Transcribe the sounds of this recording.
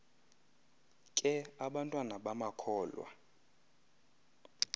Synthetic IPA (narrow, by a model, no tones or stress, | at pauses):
kʼɛaɓantʼwanaɓamakʰɔːlwa̰